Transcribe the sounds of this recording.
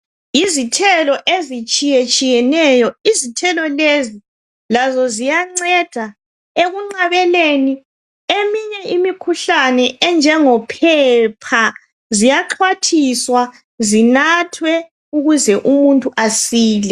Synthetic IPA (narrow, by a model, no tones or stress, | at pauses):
izitʰɛlɔʔezit͡ʃʼijɛt͡ʃʼijɛnɛjɔizitʰɛlɔlezi | lazɔzijaŋ͡ǀɛd̥ʱa | eɣuŋ͡ǀaβɛleni | emiɲɛimikʰuɬanɛɛnd͡ʒʱɛŋɔpʰɛpʰa | zijaǃʰwatʰiswa | zinatʰwɛ | uɣuzɛʔumuntʼuʔasiːlɛ